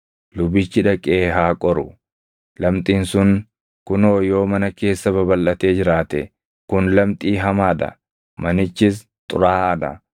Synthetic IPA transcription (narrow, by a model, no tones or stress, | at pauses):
lʊbɪt͡ʃːɪᶑɐkʼeːɦaːkʼɔɾʊ | lɐmt̪ʼiːnsʊŋ | kʊnoːjo̞ːmɐnɐke̞ːsːɐbɐbɐlʔɐt̪e̞ːd͡ʒɪɾaːt̪ɛ | kʊnlɐmt̪ʼiːɦɐmaːᶑ̪ɐ̰ | mɐnɪt͡ʃːɪs̬ | t̪ʼʊɾaːɐᶑ̪ɐ̰